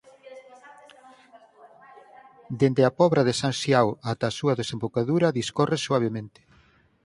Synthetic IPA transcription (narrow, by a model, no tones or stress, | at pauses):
d̪end̪eapɔβɾɐðesaŋsjawat̪aːsuɐðesembokaðuɾɐðiskɔresuaβ̞emẽnt̪ɪ̥